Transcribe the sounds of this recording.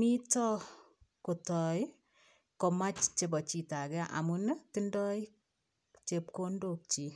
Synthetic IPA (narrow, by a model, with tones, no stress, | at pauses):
mi˦tɔ˦ | ko˨tɔ˨j | kɔ˨ma˦t͡ʃt͡ʃe˨bɔ˨t͡ʃi˨ta˨kɛ˦ʔa̰˨mun˦tɪ˦ndɔ˦j | t͡ʃe˨p̚ko˦ndok̚t͡ʃi˨